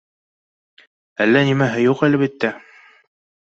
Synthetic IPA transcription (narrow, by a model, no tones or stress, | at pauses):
ælːænimæɦɘjuqælɘ̆βit̪ːæ